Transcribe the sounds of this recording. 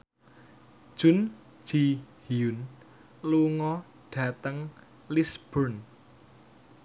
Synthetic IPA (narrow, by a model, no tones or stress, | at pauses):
ʒ̥ʊ̤n̥ | d͡ʒ̥ihiun | luŋɔ | ɖ̥a̤t̪əŋ | lisb̥ərn